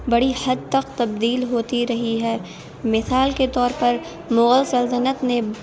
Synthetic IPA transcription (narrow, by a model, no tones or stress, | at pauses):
bɐɽihɐd̪̚t̪ɐqt̪ɐbd̪iːlɦoːt̪iɾɐɦiɦɛː | mɪsaːlket̪ɔːɾpɐɾ | mʊɣəlsɐlt̪ənət̪ne